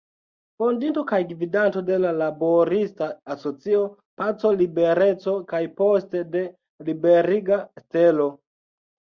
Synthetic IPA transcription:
fondinto̞kajɡvidanto̞de̞lalaboɾistaːso̞t͡sio | pat͡so̞libe̞ɾe̞t͡so̞kajpostede̞ | libe̞ɾiɡaste̞lo̞

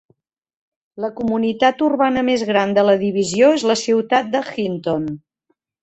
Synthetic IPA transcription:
ləkumunit̪at̪urβanəmezɣɾand̪ələðiβ̞izioezləsiwt̪at̪̚d̪əxint̪on

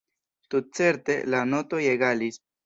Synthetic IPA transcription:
tut̚t͡se̞ɾte̞lano̞to̞jeɡalis

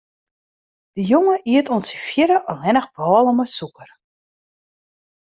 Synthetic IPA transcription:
d̥əjoŋəʔiətonsifjɪɾəʔɔlɛnəxbɔːlˠəməsukər

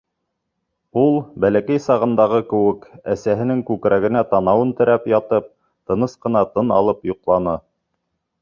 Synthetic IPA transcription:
ulˠbælækæjsɑʁɤ̆nd̪ɑʁɤkɘ̆wɘkæsæɦɘ̆nɘŋkʉkɾæɡɘ̆næt̪ɑnɑwɤnt̪ɘ̆ɾæpjɑt̪ɤp̚ | t̪ɤ̆nɤsqɤ̆nɑt̪ɤnɑlˠɤpjŏqlˠɑnɤ

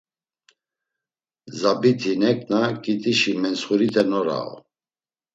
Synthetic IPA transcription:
zabit̪ʰinɛkʼnakʼit̪ʼiʃimɛnsχuɾit̪ʰɛnɔɾa̰ɔ̰

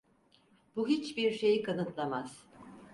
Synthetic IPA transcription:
b̥uɦit͡ʃbiɾʃe̞jikʰanɯt̪lˠamaz̥

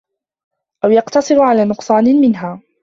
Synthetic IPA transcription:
ʔawjɑqt̪ɑsˤɨɾʕalaːnʊqsˤɑːnɪmɪnɦaː

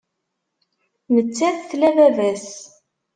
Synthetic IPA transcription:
mət͡sːæθθlævævæs

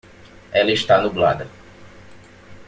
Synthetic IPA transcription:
ɛlɐɪʃt̪anubla̰d̪ɐ

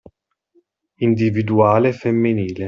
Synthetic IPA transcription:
ind̪ivid̪uaːlefemːiniːle

